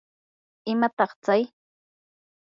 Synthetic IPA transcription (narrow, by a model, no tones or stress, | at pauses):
ɪmat̪ɑχt͡saj